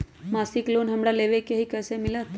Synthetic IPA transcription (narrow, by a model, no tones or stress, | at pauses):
maːsɪkloːnɦəmɽaleːʋekeɦikɛːsemɪlət̪